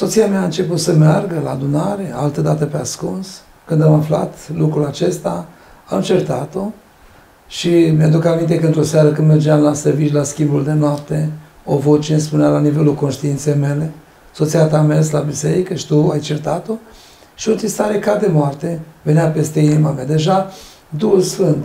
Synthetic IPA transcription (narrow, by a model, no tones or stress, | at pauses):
sot̪sijamjaːɨnt͡ʃe̞put̪səmearɡəla̰ːd̪unaɾe̞alt̪əd̪at̪əpeaskuns | kɨnd̪amafla̰t̪lukɾulat͡ʃe̞st̪a | amt͡ʃe̞rt̪at̪o̞ | ʃimʲad̪ukamint̪e̞kəɨnt̪ɾo̞saɾəkɨnd̪merd͡ʒeamlaservit͡ʃlaskʲimbuld̪e̞noap̚t̪e̞ | ovo̞t͡ʃenespunealanive̞lulko̞nʃt̪iint̪sejme̞le̞ | so̞t̪siat̪amers̬labiseɾikəʃi̥t̪uajt͡ʃe̞rt̪at̪o̞ | ʃiont̪ist̪aɾekad̪e̞moart̪e̞venjape̞st̪einimamead̪e̞ʒa | d̪uhulsfɨnt̪